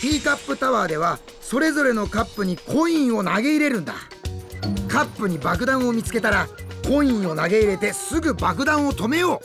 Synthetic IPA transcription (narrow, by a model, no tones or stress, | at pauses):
t̪ʲiːkapːɯ̟t̪aβaːd̪e̞β̞a | so̞ɾe̞zo̞ɾe̞no̞kapːɯ̟ɲ̟ikʰõ̞ɰ̃ĩɰ̃o̞naɡe̞iɾe̞ɾɯ̟̃nd̪a̰ | kapːɯ̟ɲ̟ibak̬ɯ̟d̪ãɰ̃omʲit͡sɨ̥ke̞t̪aɾakõ̞ɰ̃ĩɰ̃o̞naɡe̞iɾe̞t̪e̞sɨɡɯ̟bak̬ɯ̟d̪ãɰ̃o̞t̪o̞me̞jo̞ː